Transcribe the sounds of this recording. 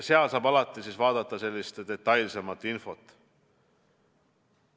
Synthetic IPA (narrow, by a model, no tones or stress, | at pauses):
se̞ɑlsɑːbɑlɑt̪ːˑisiːsvɑːd̪̥ɑt̪ːˑɑse̞lʲːist̪d̪̥e̞t̪ˑːɑjlse̞mɑt̪ːˑinfo̞t̪ːˑ